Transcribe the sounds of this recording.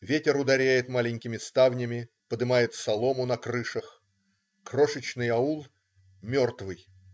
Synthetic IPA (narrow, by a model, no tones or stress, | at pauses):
vʲetʲɪɾʊd̪ɐɾʲæjɪt̪malʲɪnʲkʲɪmʲɪst̪avnʲɪmʲɪ | pəd̪ɨmajɪt̪sɐlˠo̞mʊnɐkrɨʂəx | kro̞ʂɨt͡ɕnɨjɐulˠ | mʲo̞rt̪vɨj